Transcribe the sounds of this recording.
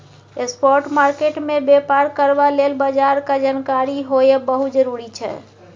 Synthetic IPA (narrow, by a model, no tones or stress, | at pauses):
espɔɾʈmaɾkeʈmebepaɾkəɾbalelbəd͡ʒaɾkad͡ʒankaɾiɦojebəɦut̪d͡ʒəɾuɾit͡ʃʰɛ̰